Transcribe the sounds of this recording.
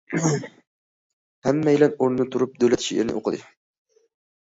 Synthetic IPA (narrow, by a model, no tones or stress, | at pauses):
hamːajɪlanoɾnnɪt̪ʰʊɾʊp̚d̪ɵwlat̪ʰʃieɾnɪ̰ʔo̰qʰɨd̪ɪ